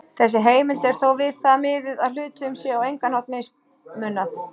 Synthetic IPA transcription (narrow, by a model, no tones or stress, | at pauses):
θɛs̬ːɪɦeːjmɪlt̪ɛɾ̥θowvɪðθamɪːðɪðaðlʏːt̪ʏʏmsjɛːawejŋkanhawt̪mejs | mʏnːaθ